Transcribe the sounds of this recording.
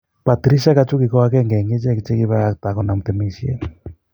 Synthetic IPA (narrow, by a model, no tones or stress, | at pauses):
pat̪ɾisiakat͡ʃukikɔak̬ɛŋɡɛŋɡet͡ʃɛkit͡ʃɛkiβaakt̪akɔnamut̪ɛmisiɛ̰